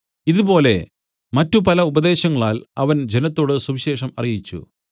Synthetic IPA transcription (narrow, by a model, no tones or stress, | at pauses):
iðubo̞ːle̞ | mɐtːupɐlɐubɐðe̞ːɕɐŋːɐɭaːlɐʋɐnd͡ʑe̞nɐt̪ːo̞ːɽɨsuʋiɕe̞ːʂɐmɐrijit͡ɕːṵ